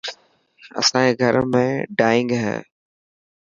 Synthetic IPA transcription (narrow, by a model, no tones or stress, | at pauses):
ɐ̰sãkeɡʱəɾmẽɖaːɪ̃ŋɡɦɛ̰ː